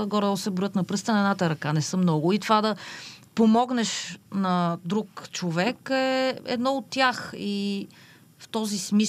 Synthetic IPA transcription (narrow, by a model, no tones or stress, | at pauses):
ɡɔɾɛsɛbɾʊjət̪nɐpɾɤst̪ənɐɛd̪nat̪əɾɐkanɛsəmnɔɡʊit̪vad̪ɐpomɔɡnɛʃnɐd̪ɾukt͡ʃovɛkɛɛ̰d̪nɔot̪ːjaxi | ft̪ɔzismi